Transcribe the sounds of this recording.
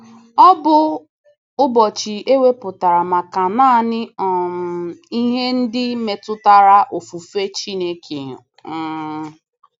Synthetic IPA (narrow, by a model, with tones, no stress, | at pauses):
ɔ˦bʊ˦ | ʊ˦bɔ˨t͡ʃi˨e˦we˦pʊ˨ta˨ɾa˨ma˨ka˨na˦nɪ˦ɔ˨m˨i˦ɦe˦n̩˦dɪ˦me˨tʊ˦ta˦ɾa˦ʔo˨fu˨fe˦t͡ʃi˦ne˦ke˨ɲʊ˨˦